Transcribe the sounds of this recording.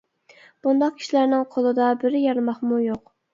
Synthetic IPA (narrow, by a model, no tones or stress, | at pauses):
b̥und̪ɑq̚kʲʰi̥ʃilæɾnɪŋqʰolˠɨd̪ɑbɪɾɪjɑɾmɑχmujoq̚